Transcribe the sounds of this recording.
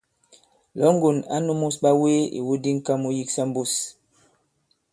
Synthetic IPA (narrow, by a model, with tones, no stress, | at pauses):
lɔ˨˦ŋ˦ɡo˨na̰˦nu˦mu˦sɓa˦we˦ḭ˨wu˦di˦ŋ̩˦ka˦mu˦ji˦ksa˦m˦bu˦˨s